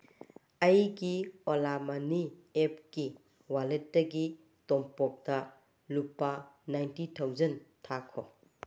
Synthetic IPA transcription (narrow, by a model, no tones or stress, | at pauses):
ɐjɡiolamaniep̚ki | walet̚ːɐɡi | tɔmpɔk̚dɐ | lupːanajntitʰawzɐntʰakʰo̰